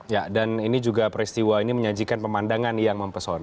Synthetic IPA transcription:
jadaninid͡ʒuɡapəɾist̪iwainiməɲad͡ʒikanpəmandaŋanjaŋməmpəsɔna

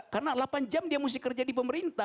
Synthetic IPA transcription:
karnalapand͡ʒamdiamus̬ɪhkərd͡ʒadipəməɾint̪a

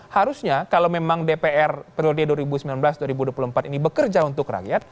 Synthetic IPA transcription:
haɾusɲakalawmemaŋdepeʔɛrpɾiodeduaɾibusəmbilanbəlasduaɾibuduapulumpat̪inibəkərd͡ʒaunt̪ʊkra̰ɡjat̪̚

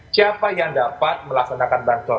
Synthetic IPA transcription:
siapajaŋdapat̪̚məlaksanakanbant̪ɔ

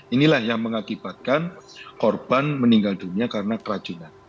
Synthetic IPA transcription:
inilahjaŋməŋakib̥at̪̚kankorb̥anməniŋɡald̥̪uniakaɾənakəɾḁd͡ʒ̥unan

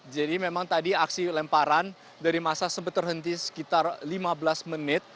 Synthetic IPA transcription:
d͡ʒadimemaŋt̪adiaksilɛmpaɾan | daɾimasasəbət̪ːərɦənt̪isə̥kit̪arlimabəlasmənɪt̪̚

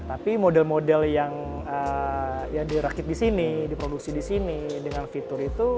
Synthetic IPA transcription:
t̪apimodɛlmodɛljaŋ | əjaŋdiɾakɪt̪̚disinidipɾoduksidisinidəŋanfit̪ʊɾit̪u

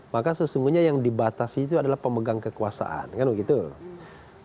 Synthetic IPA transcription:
makasəsuŋɡuɲajaŋdibat̪asiːt̪uadalahpəməɡaŋkəkuasa̰ʔa̰nkanwəɡit̪u

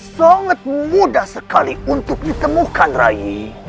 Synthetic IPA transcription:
saŋət̪̚mudahsəkaliunt̪ʊk̚dit̪əmukanra̰ji

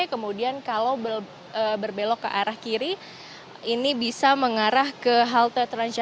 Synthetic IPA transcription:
akəmudiankalawbə | əbərbelɔkːə̰ʔaɾahkiɾi | inibisaməŋaɾahkəɦalt̪ərt̪ɾand͡ʒa

